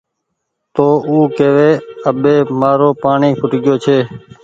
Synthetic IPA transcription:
t̪oːuːkeːʋeːəɓeːmaːɾoːpaːɳiːkʰʊʈɡɪjoːt͡ʃʰeː

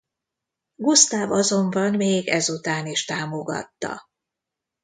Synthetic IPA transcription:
ɡust̪aːvɒzo̞mbɒnmeːɡɛzut̪aːniʃt̪aːmo̞ɡɒ̰t̪ːɒ̰

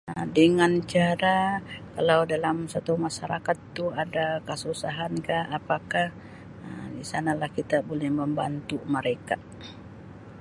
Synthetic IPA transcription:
ədəŋant͡ʃaɾakalawdalamsat̪umaʃaɾakat̪ːuadakəsusaɦankahapakah | ədisanalahkit̪abolɛhməmbant̪uməɾeka

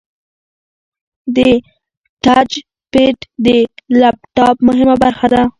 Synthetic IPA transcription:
d̪ə | ʈad͡ʒ | peʈd̪əlap̚ʈɑpmʊɦɪmabaɾxad̪a

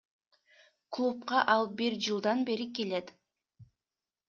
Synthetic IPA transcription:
klˠup̚qɑʔɑlˠbiɾd͡ʒɯlˠd̪ɑnbe̞ɾike̞let̪

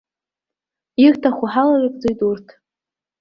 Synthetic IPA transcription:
irtʰaχʷʊħalarɨkʼd͡zojtʼurtʰ

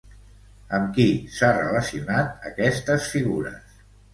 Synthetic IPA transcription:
əmkisarə̰ləsiunat̪əkɛst̪əsfiɣuɾə̰s

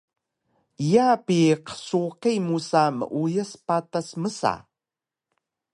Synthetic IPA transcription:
ijapiqə̥suqimusamə̰ʔujəspatasməsa̰

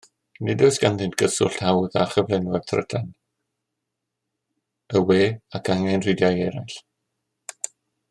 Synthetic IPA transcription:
nɪdɔjsɡ̥anðɨntɡ̥əsʊ̰ɬʰawða̰χəvlɛnwɛr̥tʰrə̰tʰan | əweːakʰaŋɛnrɪdjajɛɾajɬ

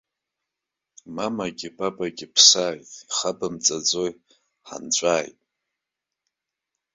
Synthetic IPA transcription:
mamaɡʲɪbabʼaɡʲɪpʰsaːjtʼiχabamt͡sʼad͡zoj | ħa̰nt͡ɕʷʼaːjtʼ

